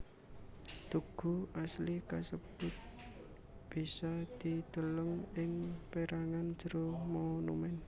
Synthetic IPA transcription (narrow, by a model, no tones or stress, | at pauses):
t̪uɡ̥ṳʔaslikasəb̥ʊt̪̚ | b̥isad̪̥id̪̥ələŋɪŋpeɾaŋand̥d͡ʒ̥əɾomonṵmɛn